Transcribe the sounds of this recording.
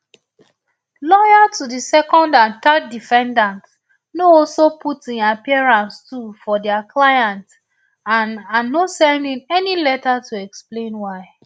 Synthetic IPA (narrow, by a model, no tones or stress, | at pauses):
lɔjatudisɛkɔ̃ndãnt̪ɜddifɛ̃ndãnt | noɔlsopʰutĩnapiaɹãnstʰufɔdɛaklajãnt | ãnanːosɛ̃ndĩnɛnilɛtatuɛksplẽnwaɪ